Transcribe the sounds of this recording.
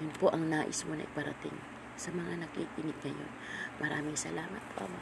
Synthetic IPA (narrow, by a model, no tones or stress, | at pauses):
jʊnpoʔɐŋnaːʔɪ̰smonɐ̰ʔɪipɐɾɐ̰t̪ɪ̰ŋ | sɐmɐŋanɐkikɪnɪɡ̚ŋɐjo̞̰nmʔɐɾa̰ːmɪŋsɐlaːmɐt̪̚poʔɐ̰mo